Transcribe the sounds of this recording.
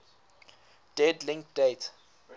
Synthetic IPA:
d̥ɛdlĩŋk̚d̥etʰ

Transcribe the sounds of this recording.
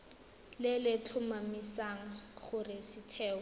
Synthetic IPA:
lɪlɪt͡ɬʰʊmamisaŋ̩χʊrɪsɪtʰɛːɔ

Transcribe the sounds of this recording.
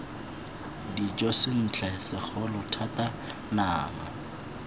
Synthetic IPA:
dit͡ʃʼɔsɪn̩t͡ɬʰɛsɪk͡xʰɔlʊtʰata | naːma̰

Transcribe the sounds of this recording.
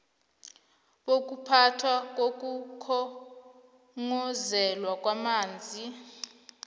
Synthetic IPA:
ɓok̬ʼupʰatʰwak̬ok̬ʼukʰɔ | ŋɔzɛlwak̬ʼwamaːnd͡zʱi

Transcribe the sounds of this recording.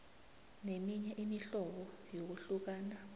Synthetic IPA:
nemiɲɛʔimiɬɔɓɔ | jok̬uɬuk̬aːna

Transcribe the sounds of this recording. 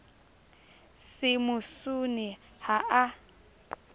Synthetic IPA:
sɪmʊsunɪ | haʔa

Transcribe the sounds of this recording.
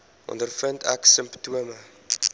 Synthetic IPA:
ʔɔ̰ndərfəntʰæ̰ksəmptuəmə

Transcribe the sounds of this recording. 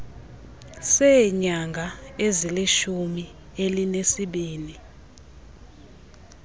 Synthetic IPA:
sɛɲaŋɡʱaeziliʃumi | elinesiɓiːni

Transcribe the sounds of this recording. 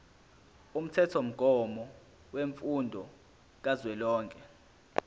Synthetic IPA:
um̩tʰɛtʰom̩ɡ̥ʱɔmɔ | weɱfundʱɔ | k̬azwɛlɔːŋkʼɛ

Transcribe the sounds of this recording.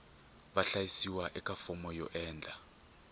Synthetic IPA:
ɓaɬajisiwaʔɛkʼafɔmɔjɔ̰ʔɛːnd͡ɮʱa

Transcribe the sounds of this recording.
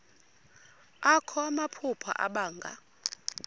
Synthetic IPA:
akʰɔamapʰupʰa̰ʔa̰ɓaːŋɡʱa̰

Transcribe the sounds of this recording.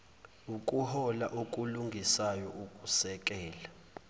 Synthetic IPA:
ukʼuhɔlaʔukʼuluŋɡʱisajɔʔukʼusɛk̬ʼɛːla

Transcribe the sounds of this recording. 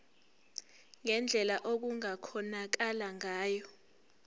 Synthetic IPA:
ŋɛnd͡ɮʱɛlaʔok̬uŋakʰɔnak̬alaŋaːjɔ

